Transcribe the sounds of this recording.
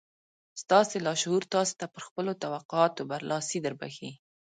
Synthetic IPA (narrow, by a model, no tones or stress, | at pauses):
st̪ɑselɑʃhuɾt̪ɑso̥t̪apəɾxpəlot̪awaqʊɑt̪obaɾlʔɑsid̪əɾba̰xi